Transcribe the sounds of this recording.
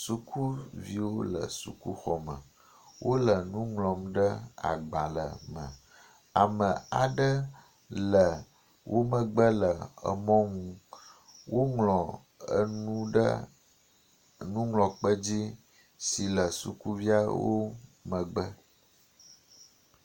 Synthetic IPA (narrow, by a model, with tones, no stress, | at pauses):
su˦ku˦vi˦wo˦lə̰˨sṵ˨ku˦xɔ˨mə̰̃˨ | wʔo˦lə˨nũ˦ŋlɔ̃˨mɖə˦a̰˨ɡ͡ba˨lə̰˨mə̰̃˨ | a˨mə̃˨a˨ɖə˦ | lə˨ | wʔo˦mə̃˨ɡ͡bə˦lə˨ə˨mɔ̃˦ŋũ˦ | wo˦ŋlɔ̃˨ | ə̰˦nũ˦ɖə˦ | nũ˦ŋlɔ̃˨k͡pə˦d͡ʑi˦ | si˨lə˨su˨ku˦vi˦a˦wo˦mə̃˨ɡ͡bə˦